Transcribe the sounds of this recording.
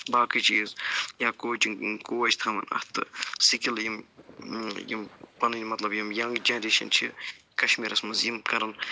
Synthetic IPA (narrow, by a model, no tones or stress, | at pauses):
baːkit͡ʃiːzjaːkoːt͡ʃikoːt͡ʃʰt̪ʰɐmɐ̰nɐ̰ht̪ɨsikiljim | jḭmpɐnɨnʲimɐt̪lɐbjimjɐŋɡd͡ʒɐnɾeːʃɐ̰nt͡ʃʰi | kɐʃmiːɾʔɐsmɐsjimkɐɾɐn